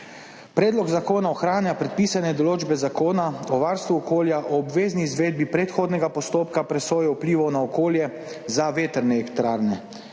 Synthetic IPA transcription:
pɾɛːd̪lɔɡzakoːnaɔxɾaːnjapɾɛt̪̚piːsanɛd̪ɔloːd͡ʒbɛzakoːnaɔʋaːɾst̪ʋuɔkoːljaʔɔːbʋeːzniːzʋeːd̪̚bipɾɛt̪xoːd̪nɛɡapɔst̪oːpkapɾɛsoːjɛupliːʋɐwnaɔkoːljɛ | zaʋeːt̪ɛɾnɛɛkt̪ɾaːɾnɛ

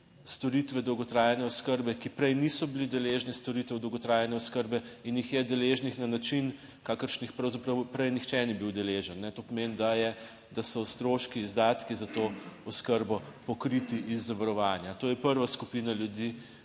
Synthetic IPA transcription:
st̪ɔɾit̪ʋɛd̪ɔwɡɔt̪ɾaːjɛnɛɔskəɾbɛkipɾɛjnisɔbilid̪ɛleʒnist̪ɔɾit̪ɛwd̪ɔwɡɔt̪ɾaːjanɛɔskəɾbɛinjixjɛd̪ɛleːʒnixnanat͡ʃin | kaːkəɾʃnixpɾɐwzapɾɐwpɾɛjnixt͡ʃɛnibiwd̪ɛleʒənːɛt̪oːpɔmenid̪ajɛ | d̪asɔst̪ɾoːʃkiːzd̪aːt̪kizat̪oːɔskəɾbɔpɔkɾit̪iʔizːaʋaɾɔʋaːnjat̪oːjɛpəɾʋaskupinaljud̪i

